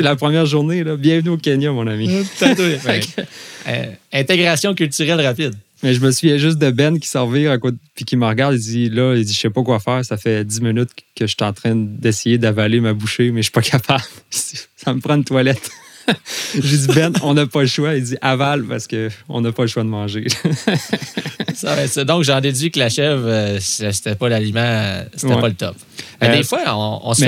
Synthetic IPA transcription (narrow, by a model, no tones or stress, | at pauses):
selapχəmjɛːʁʒuʁnelʌbjɛ̃vnyokʲenjɔmɔ̃nami̥t̪at̪ | ɛ̃t̪eɡʁasjɔ̃kʲylt̪yʁɛlʁapid̪ | mɛʒəməsɥvjɛʒʏst̪̚d̪əbɛnkʲi̥sɑʁviʁakot̪pikʲiməʁəɡaʁd̪id͡zilʌid͡ziʃɛpɔkwafɛːʁsafɛd͡z̪iminyt̪kʲəʃt̪ɛɑ̃t̪χɛ̃d̪ɛsejed̪avalemabuʃemɛʃi̥pɔkʰapʰab̥lsisaməpʁɑ̃nt̪walɛt̪ | ʒəd͡zibɛnɔ̃napʌləʃwaid͡ziʔavalpaʁsə̥kəɔ̰̃napʌləʃwad̪əmɑ̃ʒe | sawɛsɔd̪ɔ̃kʒɑ̃d̪ed͡z̪ɥiklaʃɛvøsaʃt̪ɛpʌlalimɑ̃set̪ɛɛpɔlət̪ɔp̚ | mɛd̪efwaɔ̃ɔ̰̃mɛ